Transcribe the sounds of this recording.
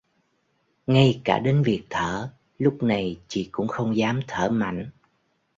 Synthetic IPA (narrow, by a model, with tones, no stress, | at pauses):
ŋa˧jkaː˧˩ɗe˨˦nvi˨˩ək̚t̪ʰəː˧˩ | lʊ˦˥k͡p̚na˨˩jt͡ɕḭ˧˥kʊ̰˧˥ŋ͡mxə˧wŋ͡mzaː˨˦mt̪ʰəː˧˩ma̰˧˨jŋ̟